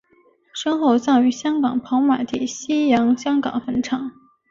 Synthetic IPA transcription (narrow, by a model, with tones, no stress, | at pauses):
ʂɤ˥nxo˥˩ʊt͡sɑ˥˩ŋy˧˥ɕjɑ˥ŋkɑ˨˩ŋpʰɑ˧˥ŋma˨˩ɪt̪ʰi˥˩ɕi˥jɑ˧˥ŋɕjɑ˥ŋkɑ̰˨˩ŋfə˧˥nʈ͡ʂʰɑ˨˩˦ŋ